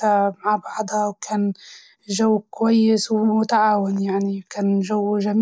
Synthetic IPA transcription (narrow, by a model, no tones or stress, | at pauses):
amaʕbɑʕd̪ˤhɑwkʰaːn | ʒawːkʊwajːɪswmʊt̪aʕaːwɪnjaʕnikaːnʒawːʒam